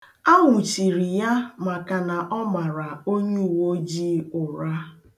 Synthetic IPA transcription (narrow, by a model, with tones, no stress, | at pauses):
a˦wʊ˨t͡ʃi˨ɾi˨ja˦ma˨ka˨na˨ʔɔ˦ma˨ɾa˨o˦ɲe˦u˨wo˦d͡ʒi˦ʊ˨ɾa˦